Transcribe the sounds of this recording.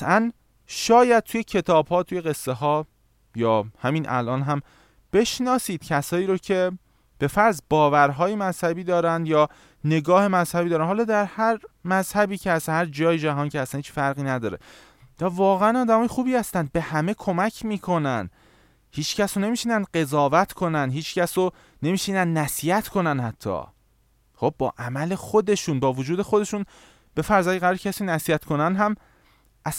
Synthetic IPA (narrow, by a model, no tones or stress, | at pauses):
t̪æn | ʃɒːjæd̪̥̚t̪ʰuje̞cʰe̞t̪ʰɒːbhɒːt̪ʰuje̞ɣe̞sːeɦɒː | jɒːhæmiːnʔæ̰lʔɒːnɦæm | b̥e̞ʃnɒːsiːd̪̥cʰæsɒːiːɾocʰe̞ | b̥e̞fæɾzbɒːvæɾɦɒːjemæz̥hæbiːd̪ɒːɾænd̪jɒː | ne̞ɡɒːhe̞mæz̥hæbid̪ɒːɾænhɒːlɒːd̪æɾhæɾmæzhæbiːcʰeæshæɾd͡ʒɒːjed͡ʒæɦɒːncʰeæsænhiːt͡ʃfæɾɣiːnæd̪ɒːɾe̞̰ | vævɒːɣeænɒːd̪æmɒːjexuːbiːhæst̪ænd̪̚be̞hæme̞kʰo̞mæcʰmiːkʰo̞næn | hiːt͡ʃcæsone̞miːʃiːnænɢe̞zɒːvæt̪ʰkʰo̞nænɦiːt͡ʃcæso | ne̞miːʃinænd̪næsiːjæt̪ʰkʰo̞nænhæt̪ʰːɒ̰ | χo̞b̚ːɒ̰ːʔæmæle̞xo̞d̪e̞ʃuːnbɒːvod͡ʒuːd̪e̞xod̪e̞ʃuːn | b̥e̞fæɾzæːæɾːɾcʰæsinæsiːæt̪kʰo̞nænɦæm | ʔæs